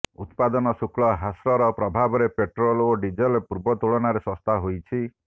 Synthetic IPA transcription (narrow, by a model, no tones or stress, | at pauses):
ut̪pad̪ɔnɔsukɭɔɦasɾɔɾɔpɾɔbʱabɔɾepeʈɾɔloɖid͡ʒɔlpuɾbɔt̪uɭɔnaɾesɔ̃st̪ʰaɦojt͡ʃʰi